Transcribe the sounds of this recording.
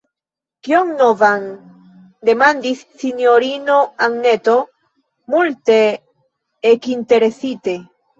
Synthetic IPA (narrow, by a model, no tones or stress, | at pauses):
kioŋnovan | d̪e̞mand̪isːinjoɾinoaŋnet̪o̞ | mult̪eː | kint̪e̞ɾesit̪e